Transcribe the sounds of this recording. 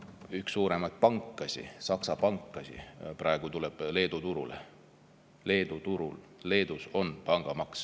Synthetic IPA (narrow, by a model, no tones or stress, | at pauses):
yhksːuːɾe̞mɑjt̪̚pɑŋkːˑɑsʲḭsɑksɑpɑŋkːˑɑsʲḭpɾɑeɡ̥ut̪uleb̥le̞ːd̪ut̪uɾṵlḛ | le̞ːd̪̥ut̪uɾṵl | le̞ːd̪uso̞npɑŋɡ̥ɑmɑks